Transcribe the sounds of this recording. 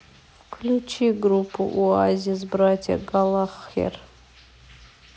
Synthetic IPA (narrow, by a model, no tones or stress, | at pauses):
kʰlʲut͡ʃʰiɡrupʰuʔuazʲizbratʲʰa̰ɡalˠaχja̰r